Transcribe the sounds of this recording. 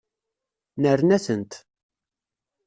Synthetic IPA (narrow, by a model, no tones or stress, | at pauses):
nəɾnæsənt̪